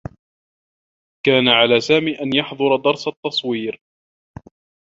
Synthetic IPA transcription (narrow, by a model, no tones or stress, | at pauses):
kaːnaʕalaːsaːmiːʔanjɑħðˤʊɾˤɑd̪ɑɾˤsat̪ːɑsˤwiːɾ